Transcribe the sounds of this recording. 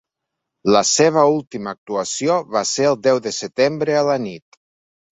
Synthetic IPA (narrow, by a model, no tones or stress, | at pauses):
ləseβ̞əulˠt̪iməːk̚t̪uəsioβaseəlˠd̪ɛwðəsət̪embɾəələnit̪